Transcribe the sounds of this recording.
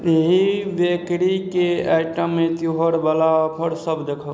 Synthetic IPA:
eɦiʋekɽikeaɪʈəmːẽt̪juɦəɾbalapʰəɾsəbd͡ʒəkʰə

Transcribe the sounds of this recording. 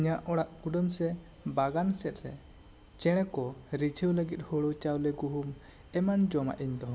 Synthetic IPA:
ɲaʔɔɽaʔkuɖəmsɛ | baɡansɛt̪̚ɾɛ̰ | t͡ʃɛɽ̃ɛkɔɾit͡ʃʰəwləɡit̪̚hɔɭut͡ʃawlɛɡuɦum | ɛmand͡ʒɔma̰ʔiɲd̪ɔ

